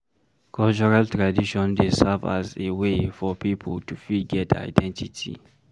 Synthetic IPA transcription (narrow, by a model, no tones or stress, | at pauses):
kʰɔlt͡ʃɔɹaltɹadiʃɔ̃ndesɛva̰zewefɔpipʰəltufiɡɛtʰa̰ɪdɛ̃ntitʰḭ